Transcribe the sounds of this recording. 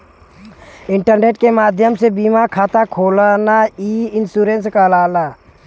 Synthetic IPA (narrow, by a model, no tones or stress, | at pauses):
ɪɳʈəɾneːʈkemaːd̪ʱjəmsebiːmakʰaːt̪akʰoːlanaiːɪnsuːɾẽnskalaːlaː